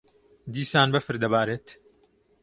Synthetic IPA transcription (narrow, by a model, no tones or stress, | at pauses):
d̪iːsaːnbɐfɨɾd̪ɐbaːɾeːt̪